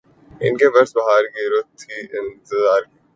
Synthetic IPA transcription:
ɪ̰nkeʋɐɾsbɐɦaːɾɡiɾot̪ʰːiɪnt̪ɪzaːɾ

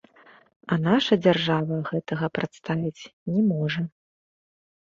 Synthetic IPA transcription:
ɐnaʂɐd͡zʲarʐavɐɣɛt̪ɐɣɐpɾʔat̪st̪avʲit͡sʲnʲɛmɔʐɐ

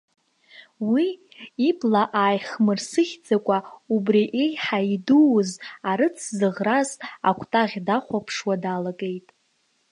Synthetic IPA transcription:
wiː | bʼlaʔaːjχmɨrsɨχʲd͡zakʷʼaubriʔejħaiduːzaɾɨt͡sʰzɨʁraza̰kʷʰtʼaʁʲdaχʷapʰʂwadaːlakʼe̞jtʼ

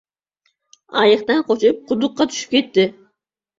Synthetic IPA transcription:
ɑ̰jɨχt̪ɑnqʰot͡ʃup̚qʰʊd̪ʊqːɑt̪ʰy̥ʃy̥p̚kʲet̪ːɪ

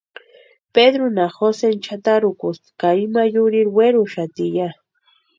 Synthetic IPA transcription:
ped̪ɾʊnaxosent͡ʃʰat̪aɾʊkʊst̪kaɪmajʊɾɪɾweɾʊʃat̪ɪja

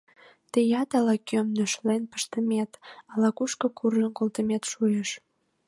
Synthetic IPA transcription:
t̪əjɑt̪ɑlɑkømnøʃlenpə̥ʃt̪əmet̪ɑlɑkuʃkokʰurʒənkolt̪əmet̪ʃujeʃ

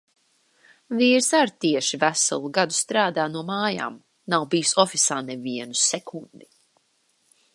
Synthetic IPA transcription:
viːɾsaɾt̪iɛʃivæsalˠuɡad̪ust̪ɾaːd̪aːnuɔmaːja̰ːm | nawbijusɔfisaːnɛviɛnusɛkʰund̪i

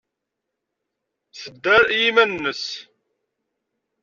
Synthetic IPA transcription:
θəd̪ːæɾjimænnːəs

